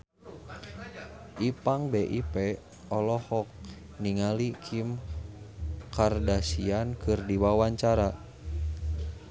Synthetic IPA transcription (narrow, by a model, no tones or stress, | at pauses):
ʔipaŋbɛʔipɛ | ɔlɔhɔk̚ | niŋalikʰim | kardasiankɨrdiwawaɲt͡ʃaɾa